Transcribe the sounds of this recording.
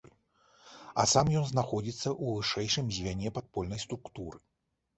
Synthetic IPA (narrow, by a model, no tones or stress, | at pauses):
a̰samjɔnznaxɔd͡zʲit̪sːɐʔuvɨʂɛjʂɨmzʲvʲanʲɛpat̪̚pɔlʲnɐjst̪ɾukt̪uɾɨ